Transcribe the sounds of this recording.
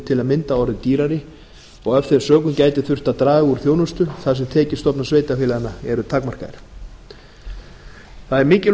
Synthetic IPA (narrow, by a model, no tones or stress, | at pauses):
t̪ʰɪlaðmɪnt̪aɔɾðɪt̪iːɾaɾɪ | ɔɣɛfθɪɾsœːkʏmcaːjt̪ɪθʏr̥t̪aðt̪ɾaːɪuɾ̥θjownʏst̪ʏθaðsɛmt̪ʰɛːcɪ̥st̪ɔpnasveːjt̪afɪːlaðɪnːaɛɾʏt̪ʰakmar̥ka̰ðɪ̰ɾ̥ | θaðɛɾmɪːcɪ